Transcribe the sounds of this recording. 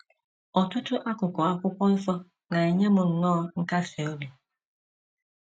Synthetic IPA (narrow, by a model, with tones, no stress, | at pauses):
ɔ˨tʊ˦tʊ˦ʔa˦kʷʊ˨kʷɔ˨a˦kʷʊ˦kʷɔ˦fɔ˦ | na˨e˨ɲe˦mʊ˨n̩˨nɔː˦˨ŋ̩˦ka˦se˨o˦bi˨